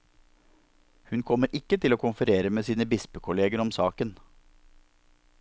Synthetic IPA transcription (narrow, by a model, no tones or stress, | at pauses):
hʉnkʰɔmːəɾʔɪkːət̪ʰɪloːkʰʊnfəɾeːɾəmeːsiːnəbɪspəkʰʊleːɡəɾɔmsɑːkən